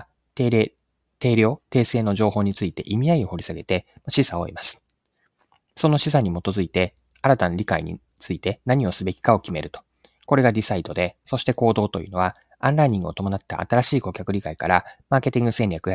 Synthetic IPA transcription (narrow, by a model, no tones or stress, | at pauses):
t̪e̞ːɾʲjo̞ːt̪e̞ːse̞ːno̞ʑo̞ːɦo̞ːɲ̟it͡sɨit̪e̞̰ʔimʲiaio̞ho̞ɾʲisaɡe̞t̪e̞ | maɕisao̞̰ḭmasɨ̥ | so̞no̞ɕisaɲ̟imo̞t̪o̞zɨit̪e̞ | aɾat̪anoɾʲikaḭɲ̟ḭ | t͡sɨit̪e̞naɲ̟io̞sɨbe̞kʲi̥kao̞kʲime̞ɾɯ̟t̪o | ko̞ɾe̞ɡad̪ʲisaid̪o̞d̪e̞so̞ɕi̥t̪e̞ko̞ːd̪o̞ːt̪o̞jɯ̟ːno̞βa | ãnɾaiɲ̟ĩŋɡɯo̞t̪o̞mo̞nat̪ːa̰ʔa̰t̪aɾaɕiːko̞kʲakɯ̟ɾʲikaikaɾamaːke̞t̪ʲĩŋɡɯ̟sẽ̞nʲɾʲakɯ̟a